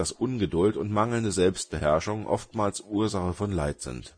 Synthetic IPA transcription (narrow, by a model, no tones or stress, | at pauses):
d̥asʔʊnɡədʊltʊntmaŋl̩ndəzɛlpst̚b̥əhɛɐʃʊŋʔɔ̰ftmaːlsʔuːɐzaχəfɔnlaɪtz̥ɪ̰nt